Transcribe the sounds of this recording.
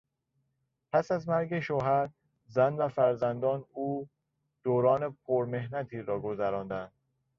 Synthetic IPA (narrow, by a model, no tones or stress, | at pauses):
pʰæsæzmæɾɡeʃoɦæɾ | zænvæfæɾzænd̪ɒːnuː | d̪̥oːɾɒːnepʰoɾme̞hnæt̪ʰiːɾɒːɡo̞zæɾɒːnd̪ænd̪̥̚